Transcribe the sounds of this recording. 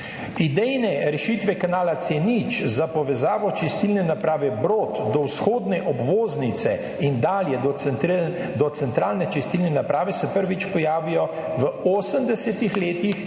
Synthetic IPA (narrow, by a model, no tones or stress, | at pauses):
id̪ɛjnɛɾɛʃiːt̪ʋɛkanaːlat̪senit͡ʃzapɔʋɛzaːʋɔt͡ʃist̪ilnɛnapɾaːʋɛbɾoːt̪d̪ɔwsxoːd̪nɛʔɔbʋoːznit̪sɛ | ind̪aːljɛ | d̪ɔt̪sɛnt̪ɾaːlnɛt͡ʃist̪ilnɛnapɾaːʋɛsɛpəɾʋit͡ʃpɔjaːʋijɔ | ʋəoːsəmd̪ɛsɛt̪ixleːt̪ix